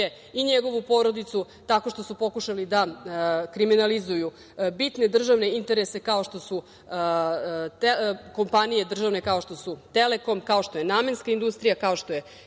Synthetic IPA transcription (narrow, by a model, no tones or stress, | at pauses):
e | iɲeɡo̞ʋupo̞ɾo̞d̪it̪su | t̪ako̞ʃt̪o̞supo̞kuʃalid̪akɾiminalizuju | bit̪ne̞d̪r̩ʒaʋne̞int̪e̞ɾe̞se̞kao̞ʃt̪o̞su | t̪eko̞mpanije̞d̪r̩ʒaʋne̞kao̞ʃt̪o̞sut̪e̞le̞ko̞mkao̞ʃt̪o̞jenaːmje̞nskaind̪ust̪ɾijakao̞ʃt̪oje̞